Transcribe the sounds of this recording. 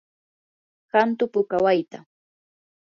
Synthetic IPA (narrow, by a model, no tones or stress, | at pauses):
ɢant̪ʊpʊkawajt̪a